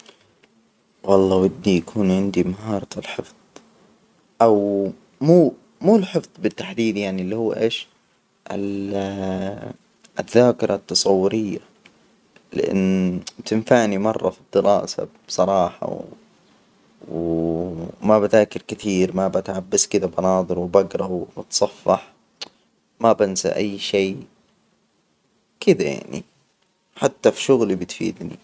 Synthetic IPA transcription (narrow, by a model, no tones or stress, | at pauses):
wɑlˤːɑːwɪd̪ːijakʰuːnʕɪnd̪imaɦɑːɾˤɑɪlħɪfð̥ˤ | ʔaw | muː | muːlħɪfðˤbɪt̪ːaħd̪iːd̪jaʕnilːihuːʔeːʃ | ʔɪl | ʔɪðːaːkɪɾˤɑt̪ːɑsˤɑwːʊɾɪjːa | lɪ̰ʔɪ̰nːbt̪ɪnfaʕnimɑrˤːɑ̰fid̪ːɪɾɑ̰ːsa̰̥ | sˤɑɾˤɑːħɑ̰w | w | mabat̪aːkɪɾkɪθiːɾmabat̪ʕabːaskɪd̪abɑnɑːd̪ˤɨɾwbaɡɾˤɑwbɪt̪sˤɑfːɑħ | mabansa̰ʔajːʃeː | kɪd̪aja̰ʕnḭ | ħat̪ːafiʃʊɣlibɪt̪fḭːd̪nḭ